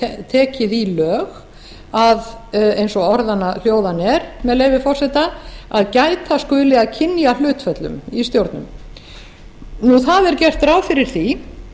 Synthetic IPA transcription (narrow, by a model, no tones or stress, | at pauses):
t̪ʰɛːcɪðilœːɣ | aðejnsɔɔɾðanal̥joːwðanɛɾmɛðlejvɪfɔr̥sɛt̪aaðcaːjt̪askʏːlɪɣaðcʰɪnjalʏːt̪fœt̪lʏ̰mist̪jowɾt̪nʏ̰m | nuθaðɛɾcɛr̥t̪ɾawfɪɾɪɾ̥θi